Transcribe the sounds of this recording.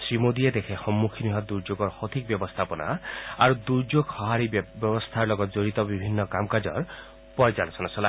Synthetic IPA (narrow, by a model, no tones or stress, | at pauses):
sɾimod̪ied̪ekʰexɔmːukʰiniɦɔd̪uɾd͡ʒoɡɔɾhɔt̪ʰik̚bjɔbɔst̪ʰapɔna̰aɾud̪uɾd͡ʒoɡhɔɦaɾibjɔbɔst̪ʰaɾlɔɡɔt̪d͡ʒoɾit̪ɔbibʱinːɔkamkad͡ʒɔ̰ɾ | pɔjd͡ʒalɔsʰɔnasɔla